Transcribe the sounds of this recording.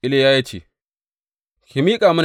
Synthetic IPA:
ɪ˦le˦jaː˦ja˦t͡ʃḛ˨ | kʲi˨mi˦kʼaː˨mʊ˦n

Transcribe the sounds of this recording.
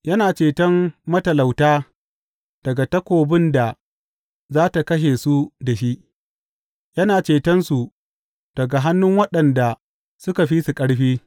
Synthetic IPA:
jɐ˦naː˨t͡ʃeː˨tɐ˦mmɐ˦tɐ˨la˨wtaː˦ | d̥ɐ˨ɡa˨tɐ˦kʷoː˨bɪ˦nda˨ | zaː˦ta˨kɐ˦ʃ̬eː˨su˦da˨ʃi˦ʔ | jɐ˦naː˨t͡ʃeː˨tɐ˦nsu˨ | d̥ɐ˨ɡa˨ɦa˦nːʊ˦ŋwɐ˦ɗɐ˨nda˨ | sʊ˦ka˨ɸi˦su˨kʼɐ˦ɽɸiː˦

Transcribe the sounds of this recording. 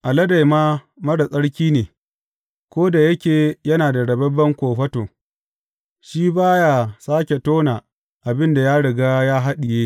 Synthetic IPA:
ʔa˨lɐ˦da˨jmaː˦ | mɐ˦ɽɐ˨sʼɐ˦ɽkʲiː˦neː˨ | kʷoː˦da˨jɐ˦kʲeː˨jɐ˦naː˨da˨ɽɐ˨bɐ˦bːɐ˦ŋkʷoː˨ɸɐ˦toː˨ | ʃiː˦baː˦ja˨saː˦kʲe˨toː˦naː˨ | ʔa˨bɪ˦nda˨jaː˦ɽɪ˨ɡa˦jaː˦ɦa˦ɗɪ˨jeː˦

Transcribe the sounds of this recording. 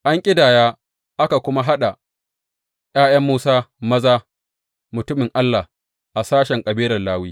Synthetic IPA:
ʔa˦ŋkʲʼɪ˦daː˨jaː˦ | ʔa˦ka˨kʷʊ˦ma˦ɦa˦ɗa˨ | j̰aː˦jɐ˦mːuː˦saː˦mɐ˦zaː˦ | mʊ˨tʊ˦mɪ˨ŋʔa˦lːa˨ | ʔa˨saː˦ʃɛ˨ŋkʼɐ˨biː˦lɐ˨rlaː˦wiː˦

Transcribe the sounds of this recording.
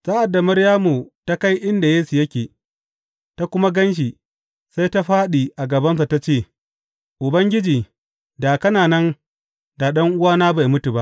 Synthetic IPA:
saː˦ʔa˨dːa˨mɐ˦ɽjaː˦mu˨ta˦ka˦jʔɪ˦nda˨jeː˦su˨jɐ˦kʲeː˨ | ta˦kʷʊ˦ma˦ɡɐ˦nʃ̬i˨ | sa˦jta˦ɸaː˦ɗiː˨ʔa˨ɡɐ˨bɐ˦ns̬a˨ta˦t͡ʃeː˦˨ | ʔʊ˨bɐ˦ŋɡʲɪ˦d͡ʒiː˨ | da˨kɐ˦naː˨nɐ˦n | da˨ɗɐ˦ŋʔʊ˦waː˦naː˦ba˨jmʊ˦tu˨ba˦ʔ

